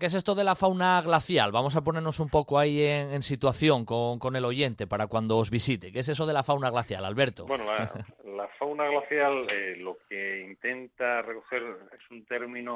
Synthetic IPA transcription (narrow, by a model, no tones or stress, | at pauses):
ke̞s̬e̞st̪oð̞e̞lafawnaɣlaθjalβamo̞sap̬o̞ne̞ɾno̞sumpo̞koaieŋensit̪waθjo̞ŋkoŋko̞ne̞lo̞ʝe̞nt̪e̞paɾakwand̪oːzβisit̪e̞kes̬e̞soð̞elafawnaɣ̞laθja̰la̰lβe̞ɾt̪obwenola̰lafawnaɣlaθjalelokeint̪e̞nt̪arekoxeɾesunt̪e̞ɾmĩno